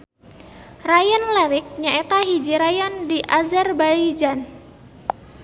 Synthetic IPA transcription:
rajanlɛɾɪk̚ɲaet̪aɦid͡ʒiɾajandiʔazɛrbaid͡ʒan

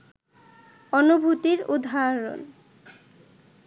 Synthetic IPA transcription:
ɔnubʱut̪iɾud̪ʱaɾo̰n

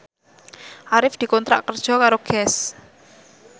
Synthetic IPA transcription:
ʔaɾɪfd̪̥i̤kɔnt̪ɾa̰ʔkːərd̥ʒ̥ɔ̤kaɾoɡ̥ɛs

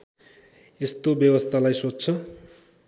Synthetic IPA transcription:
est̪objʌbʌst̪ʰalajsot͡st͡sʰʌ

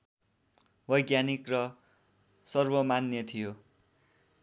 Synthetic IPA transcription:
bʌjɡjanikrʌ | sʌrbʌmanjʌt̪ʰijo

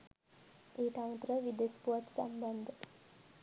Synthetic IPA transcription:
eːʈ̪aʋət̪ɾəʋid̪espuʋat̪sa̰mband̪ʱə

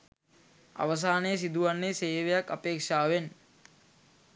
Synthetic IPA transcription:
a̰ʋəs̬aːnəjəs̬id̪uʋanːeseːʋejakːapeːkʂaːʋen

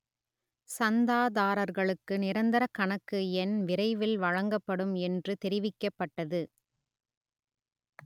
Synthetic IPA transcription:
sɐnd̪aːðaːɾɐɾɣɐɭɯkːɯnɪɾɐnd̪ɐɾɐkɐɳɐkːɯɛnʋɪɾɐɪʋɪlʋɐɻɐŋɡɐpːɐɽɯmɛndrɯt̪ɛɾɪʋɪkːɐpːɐʈːɐðɯ

